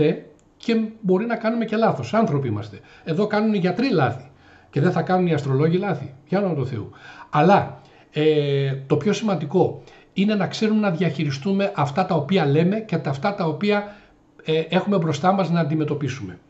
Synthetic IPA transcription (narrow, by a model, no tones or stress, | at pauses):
e | ce̞bo̞ɾinɐkɐnume̞ce̞lɐθo̞sɐnθɾo̞piimɐst̪e | e̞ðo̞kɐnuniʝɐt̪ɾilɐθi̥ | ce̞ðeθɐkɐnuniɐst̪ɾo̞lo̞ʝilɐθipʝɐnomɐt̪uθe̞uɐlɐ | et̪o̞pço̞simɐnd̪iko̞ | ine̞nɐkse̞ɾume̞nɐðʝɐçiɾist̪ume̞ʔɐft̪ɐt̪ɐo̞piɐle̞me̞cet̪ɐft̪ɐt̪ɐopiɐ | eʔe̞xume̞bɾo̞st̪ɐmɐznɐːnd̪ime̞t̪o̞pisume̞